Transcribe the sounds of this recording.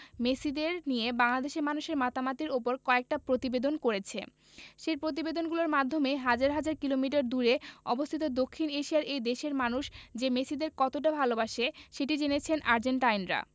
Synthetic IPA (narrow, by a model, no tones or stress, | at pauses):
mesid̪eɾnijebaŋlad̪eʃeɾmanuʃeɾmat̪amat̪iɾopoɾkɔek̚ʈapɾot̪ibed̪onkoɾet͡ɕʰe | ʃeɾpɾot̪̬ibed̪onɡuloɾmad̪ʱːomeɦad͡ʑaɾɦad͡ʑaɾkilomiʈ̬aɾd̪uɾeɔ̰bost̪ʰit̪od̪okʰːineʃijaɾejd̪eʃeɾmanuʃd͡ʑemesid̪eɾkɔt̪oʈabʱalobaʃeʃeʈid͡ʑenet͡ɕʰenʔaɾd͡ʑeɳʈajnɾa̰